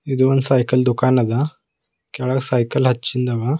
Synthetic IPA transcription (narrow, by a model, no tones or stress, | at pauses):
id̪ʋənsajkəld̪ukanad̪a | kɛɭaksajkəlɦɐtːt͡ɕind̪aʋa